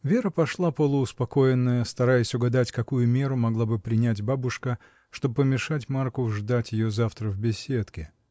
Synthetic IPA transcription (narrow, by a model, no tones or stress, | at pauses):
vʲe̞ɾəpɐʂlˠapəlˠəʊspɐko̞jɪnːəjəst̪ɐɾajɪsʲʊɡɐd̪atʲkɐkujʊmʲe̞ɾʊmɐɡlˠabɨpɾʲɪnʲætʲbabʊʂkə | ʂt̪o̞bəpəmʲɪʂatʲmarkʊʐd̪atʲjɪjozaft̪ɾəvbʲɪsʲet̪kʲɪ